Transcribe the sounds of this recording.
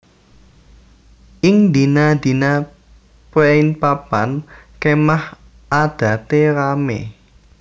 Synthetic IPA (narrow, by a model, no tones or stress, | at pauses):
ʔɪŋd̪i̤nad̪i̤na | pweɪnpapankemah | ʔad̪̥ä̤t̪eɾamḛ